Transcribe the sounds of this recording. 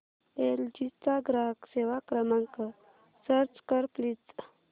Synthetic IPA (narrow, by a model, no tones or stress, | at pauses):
eld͡ʑit͡saɡɾakseʋakɾəmãŋkə | səɾt͡skəɾplit͡s